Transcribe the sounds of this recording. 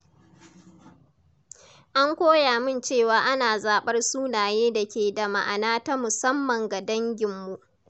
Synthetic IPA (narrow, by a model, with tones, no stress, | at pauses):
ʔa˦ŋkʷoː˦jaː˨mɪ˦nt͡ʃeː˦˨waː˨ʔa˦naː˨zaː˨ɓɐ˦rsuː˦naː˨jeː˦da˨kʲeː˨da˨ma̰˨ʔa˨naː˦ta˦mʊ˨sɐ˦mːɐ˨ŋɡa˨dɐ˦ŋɡʲɪ˨mːu˨ʔ